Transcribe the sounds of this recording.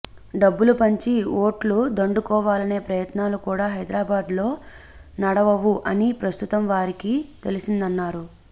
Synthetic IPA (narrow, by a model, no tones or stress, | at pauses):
ɖɐbːulupɐɲt͡ʃio̞ːʈlud̪ɐɳɖukɔːʋaːlɐne̞ːpɾɐjɐt̪naːlukuːɽaːɦɐjd̪ɾaːbaːd̪lo̞ː | nɐɽɐʋɐʋuʔɐnipɾɐst̪ut̪ɐmʋaːɾikit̪e̞lisind̪ɐnːaːɾu